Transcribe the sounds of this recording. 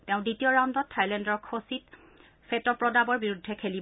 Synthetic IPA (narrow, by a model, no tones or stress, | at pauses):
teʊ̃ditiɔɹandɔtʰːajlɛndɔɹkʰosit | fʰetɔpɹɔdabɔɹbiɹudʱːɛkʰelib